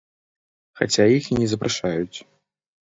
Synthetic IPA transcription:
xat͡sʲajixinʲɛzɐpɾʔaʂajut͡sʲ

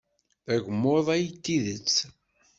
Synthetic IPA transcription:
æʝmːoðˤæjt̪ːiðət͡sː

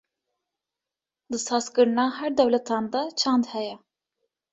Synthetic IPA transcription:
d̪ɨsɑːzkɨɾnɑːɦæɾd̪ɛwlɛt̪ʰɑːnd̪at͡ʃʰɑnd̪hɛjɛ

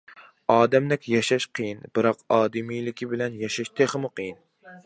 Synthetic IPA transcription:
ɑːd̪ɛmd̪ɪkʲjɑʃɑʃqʰɨjinb̥ɨɾɑqɑːd̪ɨmijlɪkʲibɪlɛnjɑʃɑʃt̪ʰeχɨmʊqʰɨjin

